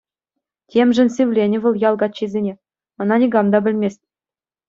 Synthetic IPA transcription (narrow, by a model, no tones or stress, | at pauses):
tʲemʒɘ̆nsʲɘʋlʲenʲɘ̆ʋɤ̆lˠjɑlˠɡɑt̪ɕizʲenʲe | ɤ̆nɑnʲiɡɑmd̪ɑbʲɘ̆lʲmʲesʲtʲ